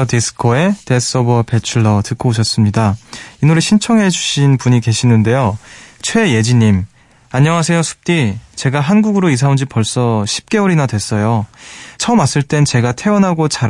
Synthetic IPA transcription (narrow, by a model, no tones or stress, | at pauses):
ʌtisʰɯ̥kʰʌe̞te̞s͈ʌbʌpe̞t͡ɕʰuɭːʌtɯkʰooɕ̬ʰʌs͈ɯmɲidainuɾeɕʰint͡ɕʰʌŋɦe̞d͡ʑuɕʰinpuɲike̞ɕʰinɯnde̞jot͡ɕʰwe̞je̞d͡ʑiɲim | aɲːʌŋɦasʰe̞josʰu̥p̚t͈it͡ɕe̞ɡaɦanɡuɡɯɾois̬ʰaund͡ʑipʌɭs͈ʌɕʰi̥p̚k͈e̞ʌɾinadwe̞s͈ʌjot͡ɕʰʌmas͈ɯɭt͈e̞nt͡ɕe̞ɡatʰe̞ʌnɦaɡot͡ɕaɾ